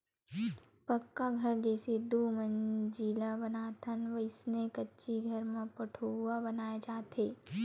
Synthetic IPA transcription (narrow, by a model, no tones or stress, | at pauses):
pɐkːaɡʱɐɾd͡ʒɛːsed̪uːmə̃nd͡ʒilabɐnaːt̪ʰənʋəɪsnẽkɐtːʃiɡʱɐɾmẽpɐʈʰowabɐnaːjad͡ʒaːt̪eː